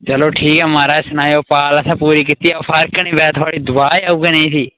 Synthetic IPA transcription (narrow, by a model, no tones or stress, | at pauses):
t͡ʃəloːʈʰiːkɛːmaːɾaːsənaːjoːpaːləsãːpuːɾiːk̬it̪iːɛoːpʰəɾkəɳĩːbɛːt̪ʰʊaːɽiːd̪ʊaːaːuːɡeːnəĩːt̪iː